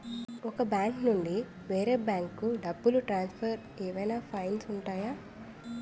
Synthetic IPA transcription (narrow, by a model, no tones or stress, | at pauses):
ɔkɐbjaːŋknuɳɖi | ʋeːɾeːbjaːŋkːuɖɐbːuluʈɾaːnspʰɐɾ | eːʋɐjnaːpʰɐjnsuɳʈaːjaː